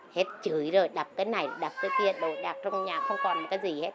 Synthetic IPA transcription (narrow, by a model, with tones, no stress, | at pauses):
he˦˥t̚t͡ɕɨ˨˦jzo˨˩jɗa˨˩p̚kaː˨˦jna˨˩jɗa˨˩p̚kaː˨˦jki˧əɗo̰˧˨ɗaː˨˩k̚t͡ɕɔ˧ŋ͡mɲaː˨˩xə˧wŋ͡mkɔ˨˩nm˨˩t̚kaː˨˦jzi˨˩he˦˥t̚